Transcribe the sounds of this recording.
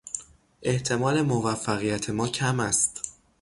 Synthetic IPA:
ʔe̞ht̪ʰe̞mɒːle̞movæfːæɣijæt̪ʰe̞mɒːcʰæmæst̪

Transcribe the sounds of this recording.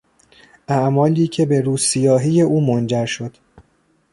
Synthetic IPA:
ʔæʔmɒːliːcʰe̞be̞ɾuːsijɒːɦije̞ʔuːmond͡ʒæɾʃo̞d̪̥

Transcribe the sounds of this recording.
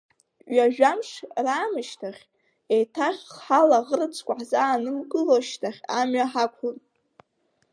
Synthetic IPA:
ɥaʒᶣamʂraːmɨʃtʰaχʲ | ejtʰaχʲħalaʁərɨt͡sʰkʷʼaħzaːnɨmkʼɨloʃtʰaχʲamɥaħakʷʰʊr

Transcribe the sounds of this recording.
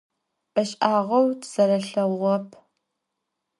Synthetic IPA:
ʔɐɕʼaːʁɐwtʰz̥ɐɾɐɬɐʁʷɔpʰ

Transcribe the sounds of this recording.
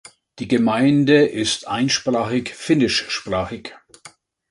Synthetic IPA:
d̥iːɡəmaɪndəʔɪstʔa̰ɪnʃpʁ̥aːχɪçfɪnɪʃʃpʁ̥aːχɪç

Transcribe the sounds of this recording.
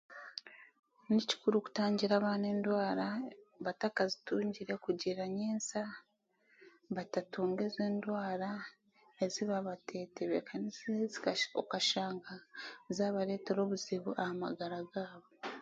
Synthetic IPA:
nici̥kuɾuku̥taːɲɟiɾaβaːne̞ːndwaːɾaβatakazituːɲɟiɾe̞kuɟiɾaɲeːnsa | βatatuːŋɡe̞zeːndwaːɾa | eziβaβatʰe̞ːteβekʰaniseziokaʃaːŋɡazaːβaɾe̞ːte̞ɾo̞ːβuziβuʔahama̰ɡaɾaɡaːβo̞

